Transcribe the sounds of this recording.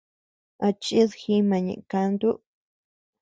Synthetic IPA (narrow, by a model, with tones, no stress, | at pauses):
a˧t͡ʃi˦ðxi˦mã˨ɲḛ̃˨ʔkã˧nd̪u˦ʔ